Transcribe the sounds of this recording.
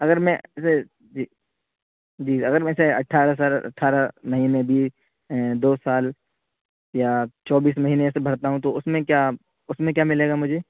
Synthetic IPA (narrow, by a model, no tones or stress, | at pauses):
ɐɡəɾmɛ̃se | d͡ʒi | d͡ʒiːɐɡəɾmɛ̃seɐʈʰaːɾəsaːlɐ̰ʈʰaːɾəmɐɦiːnebʱiː | d̪oːsaːl | jat͡ʃɔːbiːsmɐɦiːnesebʱɐɾt̪aɦũt̪oʊsmẽkjaː | ʊsmẽk̬jaːmɪleːɡamʊd͡ʒʱeː